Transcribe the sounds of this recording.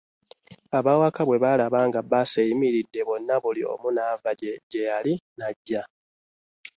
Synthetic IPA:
aβawakaβwe̞βalaβaŋɡabasejimiɾidːe̞βwo̞nːaβulio̞̰munaːvaɟeɟejalinaɟːa

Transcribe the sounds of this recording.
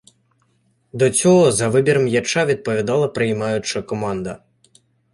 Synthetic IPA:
d̪ɔt͡sʲɔɦɔzɐʋɪbʲiɾɐmjat͡ʃaʋʲid̪̚pɔʋʲid̪ɑlˠɐpɾɪjmɑjʊt͡ʃɐkɔmɑnd̪ɐ

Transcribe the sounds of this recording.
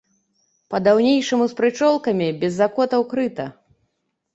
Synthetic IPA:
pɐd̪awnʲejʂɐmuspɾɨt͡ʂɔlˠkɐmʲibʲɛzːakɔt̪ɐwkɾɨt̪ɐ

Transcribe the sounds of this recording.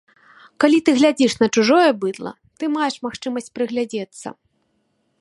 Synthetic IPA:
kalʲit̪ɨɣlʲad͡zʲiʂnɐt͡ʂuʐɔjɛbɨd̪lˠɐ̰ | t̪ɨmajɛʂmaxt͡ʂɨmɐsʲt͡sʲpɾɨɣlʲad͡zʲɛt̪sːɐ̰

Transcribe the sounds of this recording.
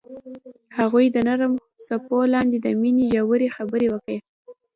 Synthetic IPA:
haɣujd̪ənaɾəm | sapolɑnd̪ed̪əmineʒawəɾexabəɾewəke

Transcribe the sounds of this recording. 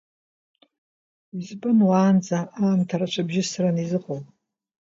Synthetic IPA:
izbʼɨnwaːnd͡zaaːmtʰaɾat͡ʃʷʰabʒɪsaranizɨχʼol

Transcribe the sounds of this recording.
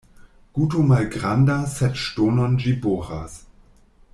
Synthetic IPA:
ɡ̥utomalɡʁandasɛtʃtonond͡ʒiboːʁa̰s

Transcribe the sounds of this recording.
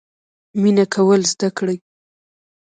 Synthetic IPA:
minakʰawəlzd̪akɽaj

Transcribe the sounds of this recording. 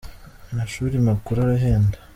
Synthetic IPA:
naʃuːɾimakuɾaɾaɦeːndḁ

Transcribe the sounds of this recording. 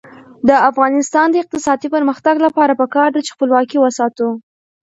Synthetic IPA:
d̪əafɣɑnɪst̪ɑnd̪əɪq̚t̪ɪsɑd̪ipəɾməxt̪aɡlapɑɾapəkɑɾd̪at͡ʃe̥xpəlwɑkiwəsɑt̪u

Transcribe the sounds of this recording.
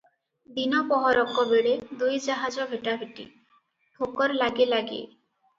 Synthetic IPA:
d̪inɔpɔɦɔɾɔkːɔbeɽed̪ujd͡ʒaɦad͡ʒɔbʱeʈabʱiʈḭ | ʈʰokɔɾlaɡelaɡḛ

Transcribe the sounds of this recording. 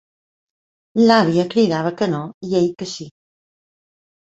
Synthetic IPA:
laβ̞iəkɾiɣaβ̞əkənoieʎkəsi

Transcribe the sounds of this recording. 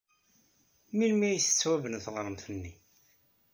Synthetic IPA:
milmijsə̥t͡sːwævənθʁɾˤəmθənːi

